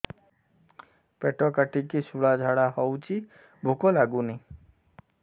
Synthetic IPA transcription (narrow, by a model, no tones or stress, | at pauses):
peʈɔkaʈikisuɭad͡ʒʱaɽaɦɔwt͡ʃʰi | bʱukɔlaɡuni